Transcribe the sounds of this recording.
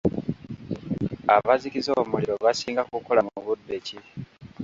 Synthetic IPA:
aβazikizo̞ːmuliɾo̞βasiːŋɡakukolamuuβudːeci

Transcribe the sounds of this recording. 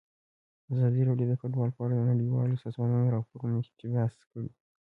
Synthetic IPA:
azɑd̪iɾaɖjod̪əfʊʈbɑlpɑɾad̪ənaɽiwɑ̰lsɑzmɑnanɾɑpoɾumiʃt̪ibaskəɽi

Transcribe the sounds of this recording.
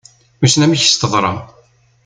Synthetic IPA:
musnæmiç̥st̪əðˤɾˤɑ̰

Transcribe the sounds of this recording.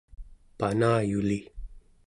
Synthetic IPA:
panaːjuli

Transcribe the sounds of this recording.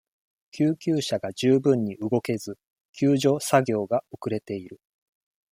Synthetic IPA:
kʲʰɨːkʲɨːɕaɡad͡ʑɨːbɯ̟̃ɲ̟ːiɯ̟ɡo̞ke̞zɨ | kʲɨːʑo̞ːsaɡʲo̞ːɡaokɯ̟ɾe̞t̪e̞iɾɯ̟

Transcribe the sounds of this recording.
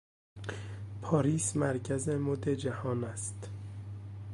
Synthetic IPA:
pʰɒːɾiːsmæɾcʰæzemod̪ed͡ʒæhɒːnæst̪

